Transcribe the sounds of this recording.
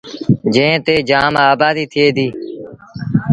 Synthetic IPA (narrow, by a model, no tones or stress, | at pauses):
d͡ʒẽːt̪eːd͡ʒaːmaːbaːd̪iːt̪ʰɪeːd̪iː